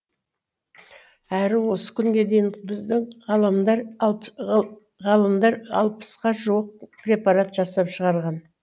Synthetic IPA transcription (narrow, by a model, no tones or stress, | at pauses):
æɾɪwo̞sə̥kʲʰʏŋɡʲe̞d̪e̞jɪŋbɪzd̪ɪŋʁɑlˠəmd̪ɑɾ | ʁɑlˠəmd̪ɑɾɑ̰lˠpə̥sqɑʒuwəq̚prʲe̞pɑɾat̪ʒ̥ɑsɑpʃəʁɑɾʁɑn